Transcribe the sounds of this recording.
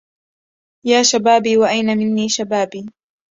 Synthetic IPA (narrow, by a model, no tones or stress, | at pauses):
jaːʃabaːbiːwaʔajnamɪnːiːʃabaːbiː